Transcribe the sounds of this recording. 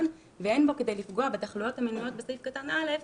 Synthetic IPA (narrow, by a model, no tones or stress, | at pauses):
n | veenbo̞ke̞dejlifɡo̞abetaχlujo̞thaminujo̞t̚besifkatanʔale̞f